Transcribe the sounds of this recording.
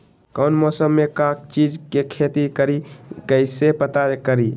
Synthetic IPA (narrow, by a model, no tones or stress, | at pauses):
kəʊnmɔːsəmːekak̚t͡ʃid͡ʒkekʰet̪ikəɾikəɪsepət̪akəɾi